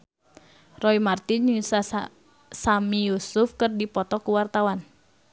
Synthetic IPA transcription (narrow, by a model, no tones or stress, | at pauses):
rɔimart̪inusa | samijusufkɨrdipɔt̪ɔkuwart̪awan